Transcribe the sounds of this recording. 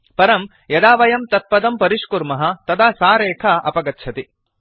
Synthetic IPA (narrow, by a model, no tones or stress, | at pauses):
pɐɾɐm | jɐd̪aːʋɐjɐmt̪ɐt̪̚pɐd̪ɐmpɐɾiʂkuɾmɐɦɐ̆t̪ɐd̪aːsaːɾeːkʰɐʔɐ̰pɐɡɐtːt͡ʃʰɐt̪i